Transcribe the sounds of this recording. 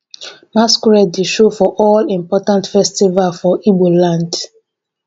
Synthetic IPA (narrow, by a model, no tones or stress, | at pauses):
maskɹɛdeʃofɔʔɔlĩmpɔtãntfɛstivalfɔʔibolãnd